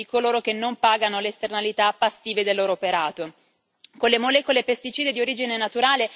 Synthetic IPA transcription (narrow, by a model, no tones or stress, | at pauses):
ikoloːɾok̟enːompaːɡanoleːst̪ernalit̪apːasːiːved̪elːoːɾoːpeɾaːt̪o | konlːemolɛːkolepest̪it͡ʃiːd̪ed̪ioɾiːd͡ʒinenat̪uɾaːle